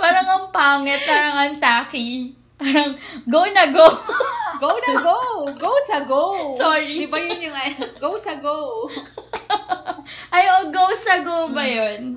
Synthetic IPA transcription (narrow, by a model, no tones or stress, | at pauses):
paːɾɐŋɐŋpaːŋɛt̪̚paːɾɐŋɐŋt̪aːki | paːɾɐŋ | ɡownɐɡowɡownɐɡoɡowsɐɡowsoːɹid̪ɪbɐjʊnjʊŋɐɡowsɐɡow | ʔɐjoɡowsɐɡowbɐjon